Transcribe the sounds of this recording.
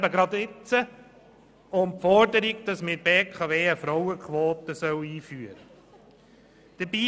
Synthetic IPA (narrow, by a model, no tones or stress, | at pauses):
bəɡɾɑd̪ɪt͡sə | ʊmfɔɾdəɾiɡd̥̪ɑsmɪɾbeːkʰɑʋeːəfɾɔwəkʰʋoːt̪əsœwiːfyəɾə | d̥əbiː